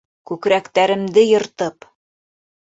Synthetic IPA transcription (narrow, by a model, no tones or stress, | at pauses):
kʉkɾækt̪æɾɘ̆md̪ɘjɤ̆ɾt̪ɤp